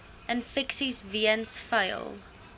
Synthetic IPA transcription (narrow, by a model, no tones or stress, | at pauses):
ʔə̃nfɪksizviə̃nsfeɪlˠ